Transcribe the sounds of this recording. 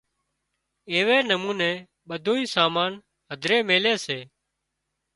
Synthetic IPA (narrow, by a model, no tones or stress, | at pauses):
eːʋeːnəmuːnẽː | ɓəd̪ʱoːĩːsaːmaːn | ɦəd̪ʱɾeːmeːleːseː